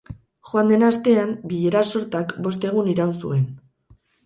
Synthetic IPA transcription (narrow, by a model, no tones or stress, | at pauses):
xoand̪e̞nast̪e̞ambiʎeɾaso̞ɾt̪akbo̞st̪e̞ɣ̞uniɾawnsṵe̞n